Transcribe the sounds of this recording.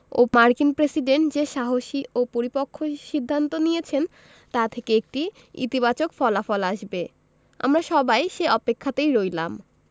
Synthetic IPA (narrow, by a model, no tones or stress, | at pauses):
o̰maɾkinpɾesiɖeɳʈd͡ʑeʃaɦoʃiopoɾipokʰːoʃid̪ʱːant̪onijet͡ɕʰen | t̪at̪ʰekeek̚ʈi | ḭt̪ibat͡ɕokfɔlafɔlaʃbe | a̰mɾaʃɔbajʃeɔpekʰːat̪ejɾojlam